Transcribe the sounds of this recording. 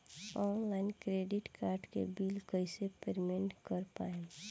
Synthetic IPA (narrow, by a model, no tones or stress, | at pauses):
ɔːnlaːɪnkɾeːɖɪʈkaːɾɖkḛbiːlkəɪsepeɾmẽɳʈkəɾpaːẽ